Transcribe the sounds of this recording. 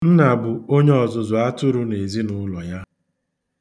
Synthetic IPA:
n̩˦na˨bʊ˨o˦ɲe˦ɔ˨zʊ˨zʊ˨a˦tʊ˦ɾʊ˦ne˨zi˦nʊ˦lɔ˨ja˦

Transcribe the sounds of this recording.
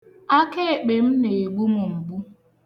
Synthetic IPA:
a˦ke˦˨k͡pe˨m̩˦ne˨e˨ɡ͡bu˦mʊ˨m̩˨bu˦

